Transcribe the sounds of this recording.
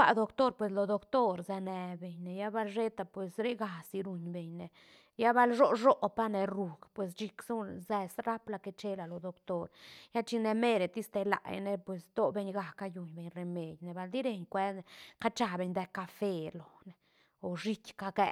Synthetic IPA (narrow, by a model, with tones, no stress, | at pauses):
a̰˦˧d̪o˧kt̪o˦ɾpwe˨s̬lo˨d̪o˧kt̪o˦ɾza˧ne˨be˨ɲne˨ja˦ba˧lʃe˦t̪a˨pwe˨sɾe˦ɡa˨si˧ɾu˧ɲbe˨ɲne˨ | ja˦ba˦lʐo˦ʐo˦ʔpa˦ne˨ɾu˨ɡpwe˨s̬t͡ʃi˧ksu˦ze˧sɾa˦pla˨ke˧t͡ʃe˦la˨lo˨d̪o˨kt̪o˦ɾja˦t͡ʃi˧ne˧me˦ɾe˨t̪i˦st̪e˧la̰˨ja̰˧ne˧˦pwe˨sd̪o˦be˧ɲɡa˨kːa˧ju˨ɲbe˨ɲre˨me˨d̪ʲjne˨ba˧ld̪i˦ɾe˧ɲkʷe˦˨ka˦t͡ʃa˧be˧ɲd̪e˧ka˧fe˧lo˨ne˨ | o˨ʐi˦kʲka˧kɛ˦˧